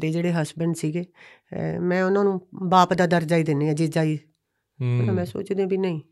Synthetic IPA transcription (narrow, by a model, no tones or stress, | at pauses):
d̪eːd͡ʒeːɽeːɦəsbəɳɖsiːɡeː | mɛ̃ːʊnãːnũːbaːpd̪aːd̪əɾd͡ʒaːiːd̪ɪnːẽːad͡ʒiːd͡ʒaːiː | ʊnãːmɛ̃ːso̰ːt͡ʃd̪ẽːbiːnəĩː